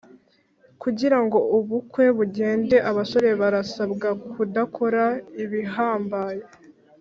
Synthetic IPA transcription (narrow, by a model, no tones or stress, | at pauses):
kuɟiɾaŋɡo̞uβukwe̞βuɟe̞ːnde̞ʔaβaso̞ɾe̞βaɾasabɡakʰudakʰo̞ɾaiβiɦaːmbaːje